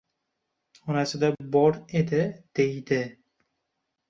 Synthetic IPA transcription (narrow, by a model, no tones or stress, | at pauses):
ɒnasɪd̪abɒɾe̞d̪ɪd̪̥e̞jd̪ɪ